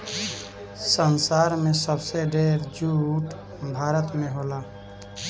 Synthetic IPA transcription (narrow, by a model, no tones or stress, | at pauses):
sənsaːɾmẽsəbseɖeːɾd͡ʒuːʈ | bʱaːɾət̪mẽɦoːlaː